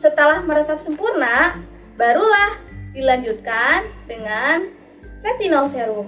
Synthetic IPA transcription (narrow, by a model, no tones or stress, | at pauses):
sət̪əlahməɾasap̚səmpurna | baɾulahd̥ilaɲd͡ʒut̪̚kandəŋan | fɛt̪inɔsɛɾu